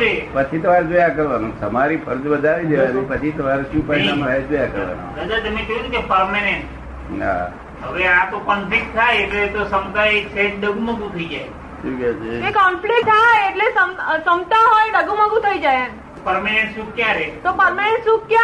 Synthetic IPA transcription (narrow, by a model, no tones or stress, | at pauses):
epət͡ʃʰit̪əʋaɾd͡ʒojakəɾʋanũsəmaɾipʰəɾd͡ʒbəd̪ʱaʋid̪eʋanũpət͡ʃʰit̪əʋaɾʃũpainamãɾajd͡ʒojakəɾʋa̰na̰ɾəd͡ʒaɾt̪əmẽt͡ʃoɦud̪ukepəɾmeneɳʈ | na̰ | ɦəʋeãt̪okənpek̚ʈt̪ʰaeeʈlet̪osəmt̪aesʰeʈ̚ɖəɡumə̃ɡũt̪ʰəid͡ʒae | ʃikat͡ʃekekɔmplek̚t̪ʰajːʈlesəmsəmt̪aɦojɖəɡuməɡũt̪ʰəid͡ʒajan | pəɾmenẽɳʈʃukkːjaɾet̪opəɾmanẽɳʈʃuk̚kja